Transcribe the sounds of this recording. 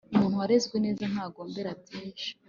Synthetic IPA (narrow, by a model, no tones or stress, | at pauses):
umuːnhuwaɾezɡwene̞ːzan̥haːɡoːmbe̞ɾatʰiːʃḁ